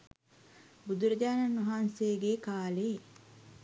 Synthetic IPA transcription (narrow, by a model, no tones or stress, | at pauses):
bud̪uɾɐɟaːnanʋɐɦaːnsejːɡeːkaːle